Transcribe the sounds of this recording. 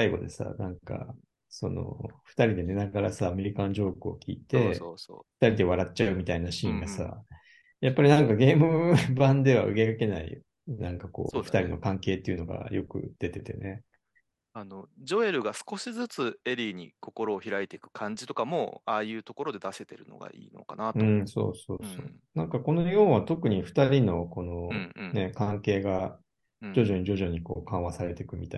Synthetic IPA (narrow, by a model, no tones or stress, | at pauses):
aiɡo̞̰d̪e̞̰sa̰nãŋka̰ | so̞̰no̰ɸɯ̟̥t̪aɾʲid̪e̞ne̞naɡaɾasaːme̞ɾʲikanoʑo̞ːkɯo̞̰kʲḭːt̪e̞oso̰ːɸɯ̥t̪aɾʲid̪e̞β̞aɾatt͡ɕaɯ̟mʲit̪ainaɕĩŋɡasa̰ | japːaɾʲinãŋkaɡe̞ːmɯ̟bãnd̪e̞βaʔɯ̟ɡe̞kake̞naḭ | nãŋkako̞̰ːɸɯ̥t̪aɾino̞̰kãŋke̞ːt̪ːeiɯ̟no̞ɡa̰jo̞kɯ̟̰d̪̥e̞t̪e̞t̪e̞̰ne̞ | ano̞d͡ʑo̞e̞ɾɯ̟ɡasɨ̥ko̞ɕizɨt͡sɨe̞ɾʲiːɲ̟ḭkʰo̞ko̞ɾo̞ːçiɾait̪e̞ikɯ̟̥kʰãɲd͡ʑit̪o̞kamo̞aːjɯ̟ːt̪o̞ko̞ɾo̞d̪e̞d̪ase̞t̪e̞ɾɯ̟no̞̰ɡa̰ḭːno̞̰kanat̪ɯ̃ːso̞̰ːso̞̰ːso̞ː | nãŋkako̞noɲiõ̞ɰ̃βat̪o̞kɯ̟ɲ̟iɸɯ̟̥t̪aɾʲino̞ko̞no̞ne̞kãŋke̞ːɡa | d͡ʑo̞ʑo̞ɲ̟iʑo̞ʑo̞ɲ̟iko̞ːkãɰ̃βasaɾe̞t̪e̞kɯ̟mʲit̪a̰i